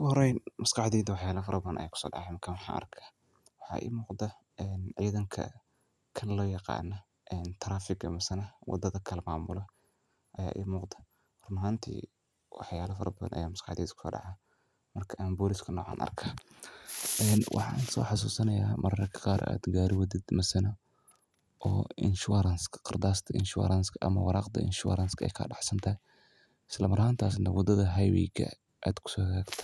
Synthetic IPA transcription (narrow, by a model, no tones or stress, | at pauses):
ʊhɔɾɛjnmɐskɑħd̪iːd̪wɑħjaːlɐfɐɾɐbɐðɐnʔɐ̰jaːkʰʊ̥sɔ̰ːɖɑ̰ʕamɐrkʰɐwħɑ̰ːʔɐ̰rkʰḁː | wɑħɑ̰ːʔɪ̰ːmuːqd̪ɐ | ʔɛːnʕiːðɐŋkʰɐ̰ | kʰɐnlɔːjɑqɑ̰ːnɐ | ʔɛːnt̪ʰɐɾaːfɪɡɐmɐsɐnɐwɑ̰d̪ːɐðɐkʰɐlmaːmʊlɐ | ʔɐja̰ːʔɪ̰muːqd̪ɐ̥ | hrnɐɦaːnt̪ʰḭː | wɑ̰ħjaːlɐfɐɾɐbɐðɐ̰nʔɐ̰jaːmɐskɑħd̪ḭːd̪kʰʊ̥sɔ̰ːɖɑ̰ʕa | mɐrkʰɐʔaːnbɔːlɪskʰɐnɔ̰ːʕɑ̰ːnʔɐ̰rkʰɐ | ʔɛːnwʔɑ̰ħɑːnsɔ̰ːħɑs̬uːsɐnɐjaːmʔɐrnɐkʰɐ̥qɑːɾa̰ːd̪ɡaːɾɪwɐd̪ɪd̪mɐsɐnɐ | ʔɔːʔɪ̰nʃuɾɐnskʰqɑrd̪aːst̪ʰɐʔɪ̰nʃʊ̰ɾanskʰɐʔɐ̰mɐwɑɾɑːqd̪ɐ̰ʔɪ̰nʃṵɾanskʰɐɛ̰jkʰɐ̰ɖɑħsɐnt̪ʰɐɦɛ | ʔɪslɐmɐɾhaːnt̪ʰaːs̬nɐwɑd̪ɐðɐɦɐjwḭːɡɐ̰ | ʔaːd̪kʰʊ̥sɔːhɣaːɡt̪ʰɐ̥